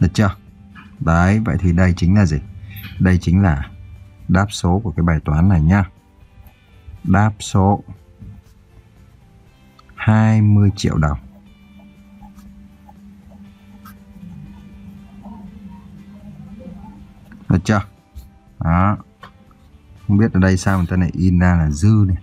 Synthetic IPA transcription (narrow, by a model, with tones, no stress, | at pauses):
ə˨˩t͡ɕɔ˧˩ | ɗəː˨˦jvə̰˧˨jt̪ʰi˨˩ɗə˧jt͡ɕï˨˦ŋ̟laː˨˩zi˨˩ɗə˧jt͡ɕï˨˦ŋ̟laː˨˩ɗaː˦˥p̚so˨˦ku˧˩kaː˨˦jɓaː˨˩jt̪waː˨˦nːa˨˩jɲaː˧ | ɗaː˦˥p̚so˨˦ | haː˧jmɨ˧əjt͡ɕḭ˧˨əwɗə˨˩wŋ͡m | a˨˩t͡ɕɔ˧ | ʔa˨˦ | xə˧wŋ͡mɓi˦˥t̚ʔəː˨˩ɗə˧jsaː˧wt̪aː˧na˨˩jʔi˧nzaː˧laː˨˩zɨ˧ni˨˩